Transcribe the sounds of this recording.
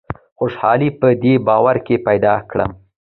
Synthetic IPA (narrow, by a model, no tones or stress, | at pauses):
xoʂhɑ̰lipəd̪ebɑwaɾkepajd̪ɑkɽə̰m